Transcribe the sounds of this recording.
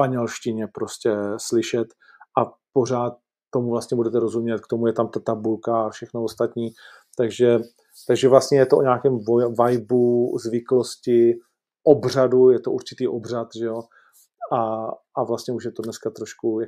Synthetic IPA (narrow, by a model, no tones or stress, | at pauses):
paɲɛlʃcɪɲɛpɾo̞scɛslɪʃɛt̪ | ʔapo̞raːt̪̚ː | o̞muvlast̪ɲɛbudɛt̪ɛɾo̞zumɲɛt̪̚kt̪omujɛt̪amt̪at̪abulkaafʃɛxnoost̪at̪ɲiː | t̪aɡʒɛ | t̪aɡʒɛvlast̪ɲɛjɛt̪oʔo̰ɲaːkɛmvovajbuzvɪklo̞scɪ | ʔobr̝adujɛt̪oʔuɾt͡ʃɪ̥t̪iːʔo̞br̝at̪ʒɛo | a | avlast̪ɲɛuʃjɛt̪odnɛskat̪ɾoʃkuj